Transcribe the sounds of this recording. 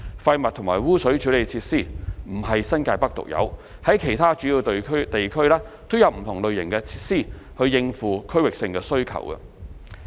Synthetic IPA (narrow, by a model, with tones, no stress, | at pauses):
fɐ˧jmɐ˨t̪̚ʰʊ˨˩ŋmaː˨˩jwuː˥sɵ˨˥ɥt͡ʃʰyː˨˥le˨˧jt͡sʰiː˧t̚siː˥˩m̩˨˩ɦɐ˨jsɐ˥nkaː˧jpɐ˥k̚t̪ʊ̰˨k̚jɐ̰˨˧˥w | hɐ˨˥jkʰe˨˩jt̪ʰaː˥t͡ʃyː˨˥jiː˧wt̪kʰt̪e˨jkʰɵ˥ɥlɛː˥ | t̪o˥wjɐ˨˧wm̩˨˩t̪ʰʊ˨˩ŋlɵ˨ɥjɪ̰˨˩ŋkɛː˧t͡sʰi̥ː˧t̚siː˥˩ | hɵ˧ɥjɪ˧ŋfuː˨˩kʰɵ˥ɥwɪ˨k̚sɪ˧ŋkɛː˧sɵ˥ɥkʰɐ̰˨˩wɐ̰˧